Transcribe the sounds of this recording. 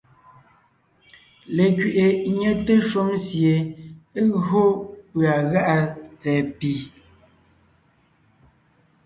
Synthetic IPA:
le˨kɥi˨ʔe˨ɲe˦te˦ʃu˦msje˨e˦ɣo˦pɰa˨ɣa˦ʔa˦t͡sɛː˨pi˨

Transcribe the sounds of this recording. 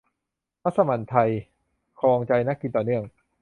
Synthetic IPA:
pʰa˦˥t̪̚sa˧ma˨˩nt̪ʰa˧j | kʰɔː˧ŋt͡ɕa˧jna˦˥kːi˧nt̪ɔː˨˩nɯ˥˩əŋ

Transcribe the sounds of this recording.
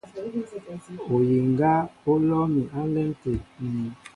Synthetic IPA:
o˨ji˨ŋɡa˦o˦lɔ˦mi˨ʔa˦lɛ˦ŋte˨ni˨

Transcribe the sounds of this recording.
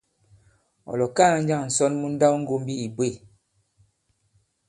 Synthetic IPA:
ɔ̰˨lɔ˨kaː˦˨˦n̩˦d͡ʒa˦˨ŋ˨n̩˨sɔ˦nmu˦n̩˦da˦wŋ̩˦ɡo˦m˦bi˦i˨bwe˦˨

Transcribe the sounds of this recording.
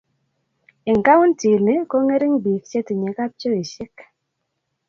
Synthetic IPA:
ɪ˨ŋka˦wu˦nti˨nɪ˦ko˦ŋe˦ɾi˦ŋbi˨kt͡ʃe˦ti˨ɲe˨˦ka˦p̚t͡ʃo˦i˨ʃɪ˦k

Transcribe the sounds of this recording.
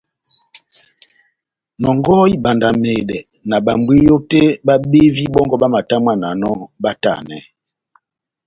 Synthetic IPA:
nɔ˨ŋɡɔ˦i˦ɓa˨nda˨me˨dɛ˨ | na˨ɓa˨m˨bwi˦jo˦te˦ɓa˦ɓe˦vi˦ɓɔ˦ŋɡɔ˦ɓa˦ma˨ta˦m˦a˦˨na˨nɔ˦ba˦ta̰˨nɛ˨˦

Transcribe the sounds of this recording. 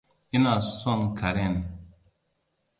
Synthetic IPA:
i˦na˨sɔ˦˨nkʰa˨ɾe˦˨n

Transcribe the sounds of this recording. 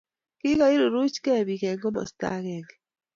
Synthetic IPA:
ki˦ka˨i˦ɾo˨ɾu˦t͡ʃkɛ˦˨βi˨kɛ˨ŋɡo˦mɔ̰˨st̪a̰˦ɣɛ˨ŋ

